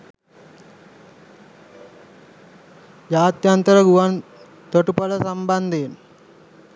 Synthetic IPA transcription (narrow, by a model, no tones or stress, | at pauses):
jaːt̪jant̪əɾəɡuʋan | t̪oʈupələsamband̪en